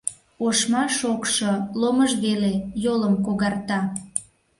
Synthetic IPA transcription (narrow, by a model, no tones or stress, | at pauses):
oʃmɑʃokʃoloməʒβelejoləmkoɣɑrt̪ɑ